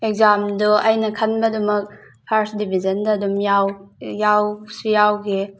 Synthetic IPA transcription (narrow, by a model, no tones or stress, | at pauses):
ek̚zamdɔʔajnɐkʰanbɐdumɐk̚ | pʰaɾsdibʱizɐndɐːdumjawjawsijawɡi